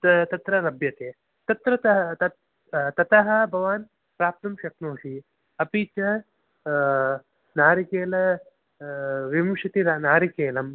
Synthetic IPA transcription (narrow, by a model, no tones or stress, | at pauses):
t̪ɐt̪ɾɐlɐbjɐt̪eː | t̪ɐt̪ɾɐt̪ɐɦɐt̪ɐ | t̪ɐt̪ɐɦɐ̆bʱɐʋaːn | pɾaːp̚t̪ɐmʃɐknoːʃi | ɐpiːt͡ʃɐ | naːɾikeːlɐ | ʋimuʃɐt̪iɾnaːɾikeːlɐm